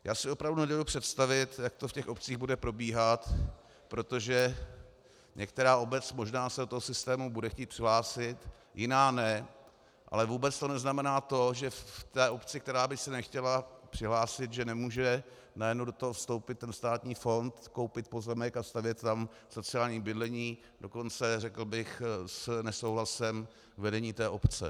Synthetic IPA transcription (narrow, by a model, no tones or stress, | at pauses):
jaːsɪo̞pɾavdunɛdoupr̥ɛt̪st̪avɪt̪jak̚t̪ofcɛxʔo̞p̚t͡siːɣbudɛpɾo̞biːɦat̪ | pɾo̞t̪o̞ʒɛ | ɲɛkt̪ɛɾaːʔo̞bɛt͡smo̞ʒnaːsɛdot̪oɦosɪst̪ɛːmubudɛxciːt̪̚pr̥ɪɦlaːsɪt̪ | jɪnaːnɛ | ʔa̰lɛvuːbɛt͡st̪o̞nɛznamɛnaːt̪o̞ʒɛft̪ɛːʔo̞pt͡sɪkt̪ɛɾaːbɪxsɛnɛxcɛlapr̝̥ɪɦlaːsɪt̪ʒɛnɛmuːʒɛ | najɛdnowdot̪oɦofst̪o̞wpɪt̪ːɛnst̪aːt̪ɲiːfo̞nt̪kowpɪt̪̚po̞zɛmɛkast̪avjɛt̪t̪am | so̞t͡sɪaːlɲiːbɪdlɛɲiː | do̞ko̞nt͡sɛrɛkl̩bɪxsnɛsowɦlasɛm | vɛdɛɲiːt̪ɛːʔo̞pt͡sɛ̰